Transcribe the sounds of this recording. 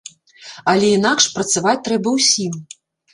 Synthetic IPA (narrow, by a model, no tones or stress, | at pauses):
ɐlʲɛinakʂpɾɐt̪savat͡sʲt̪ɾɛbɐwsʲim